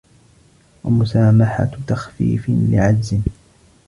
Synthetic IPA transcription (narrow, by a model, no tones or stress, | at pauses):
wa̰mʊsaːmaħa̰t̪axfḭːfɪnlɪ̰ʕad͡ʒzɪn